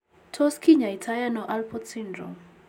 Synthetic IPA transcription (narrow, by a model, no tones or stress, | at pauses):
tʰɔskiɲaitʰajanɔʔalpɔdsindɾɔ̰m